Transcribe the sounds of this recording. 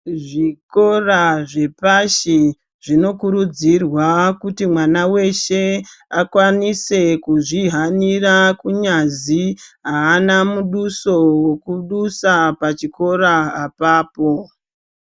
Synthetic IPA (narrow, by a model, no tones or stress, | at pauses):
ʐiko̞raʐe̞paʃi | ʐino̞kuɾud͡zirwakutimwanawe̞ʃe̞akwanise̞kuʐiɦanirakuɲaziɦaːnamuɗuso̞wekuɗusapat͡ʃiko̞ɾaːpaːpo̞